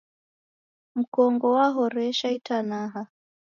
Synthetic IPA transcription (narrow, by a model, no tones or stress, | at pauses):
m̩kɔŋɡɔwaɦɔɾɛʃaitanaɦa